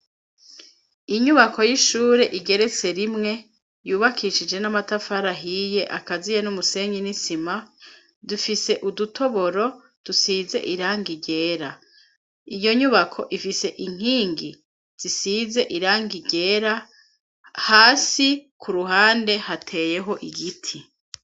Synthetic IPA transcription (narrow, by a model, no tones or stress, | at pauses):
iɲuβakʰo̞jiʃuːɾe̞ʔiɡe̞ɾe̞t͡se̞ɾimŋe̞ | juːβakʰiʃid͡ʒe̞namatafaɾaɦije̞ʔakazijenumuse̞ɲinisima | dufise̞ʔudutʰo̞βo̞ɾo̞ | d̥usiːze̞̰ʔiɾaːŋɡiɟe̞ːɾa | ijo̞ɲuβakʰo̞ʔifise̞ʔiŋ̥hiːŋɡi | z̥isize̞ʔiɾaːŋɡiɟe̞ːɾa | haːsikʰuɾuɦaːnde̞hatʰe̞ːje̞ɦo̞ʔiɡitʰi